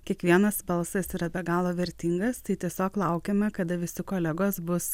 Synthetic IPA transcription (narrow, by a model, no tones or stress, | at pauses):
kʲiɛkʋʲiɛnɐsbɐlˠsɐsiːɾɐbʲɛɡɑːlˠoːʋʲɛɾʲt̪ʲɪŋɡɐst̪ɐɪt̪ʲiɛsʲoːklˠɐˑʊkʲeːmʲɛkɐd̪ɐʋʲɪsʲɪkoːlʲɛɡoːsbʊs